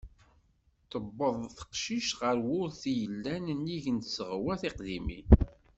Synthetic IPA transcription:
t̪əbːəðˤθə̥qʃiʃʁəɾwʊɾθijəlːænnːiʝənsəʁwæθɪqðimḭ

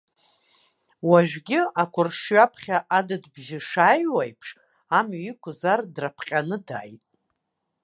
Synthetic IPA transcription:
waʒᶣɡʲɪakʷʰʊrʂɥapʰχʲaʔadɨdbʒɪʂajwajpʰʂ | amɥikʷʰʊzardrapʰqʲʼanɨda̰ːjtʼ

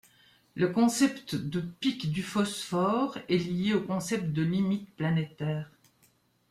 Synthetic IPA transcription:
ləkɔ̃sɛpt̪d̪əpikd̪yfɔsfɔʁɛlijeokɔ̃sɛp̚t̪̚d̪əlimit̪planet̪ɛːʁ

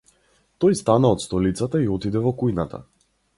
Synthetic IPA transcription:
t̪ɔjst̪anaɔt̪st̪ɔlit̪sat̪aiɔt̪id̪ɛvɔkujnat̪a̰

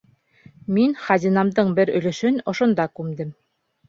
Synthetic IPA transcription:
minχɑzinɑmd̪ɤɴbɘɾɵ̆lɘ̆ʃɵnŏʃŏnd̪ɑkʉmd̪ɘm

